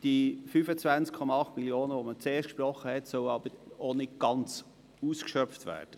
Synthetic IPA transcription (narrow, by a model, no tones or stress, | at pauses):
d̥ifyfət͡svænt͡skʰɔmɑɑχtmiljoːnəʋomət͡seːrʃtkʃprɔχːəhɛtsœʊɑb̥əɾonɪtɡ̥ɑnt͡s | uːskʃœpftvæ̰ːɾd̥ə